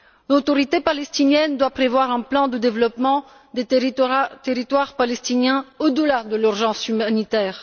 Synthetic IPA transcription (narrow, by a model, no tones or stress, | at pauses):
lot̪ɔʁit̪epalɛst̪injɛnd̪wapχevwaʁɛ̃plɑ̃d̪əd̪evlɔpmɑ̃ | d̪e | t̪eʁit̪waʁpalɛst̪injɛ̃od̪əlad̪əlyʁʒɑ̃symanit̪ɛːʁ